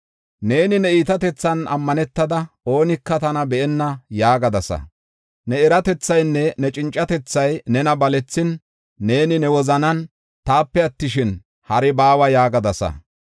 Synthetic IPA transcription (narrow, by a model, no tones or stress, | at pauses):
ne̞ːnɪnɛiːt̪ɐt̪ɛt͡sːɐnɐmːɐnɛt̪ːɐd̪ɐ | o̞ːnɪkːɐt̪ɐnɐbɛʔɛnːɐjaːɡɐd̪ɐsɐ̰ | nɛɛɾɐt̪ɛt͡sːɐjnːɛnɛt͡ʃʼɪnt͡ʃʼːɐt̪ɛt͡sːɐjnɛnɐbɐlɛt͡sːɪnː | e̞ːnɪnɛwɔzɐnɐn | t̪aːpːɛɐt̪ːɪʃɪn | hɐɾɛbaːwɐjaːɡɐd̪ɐsɐ̰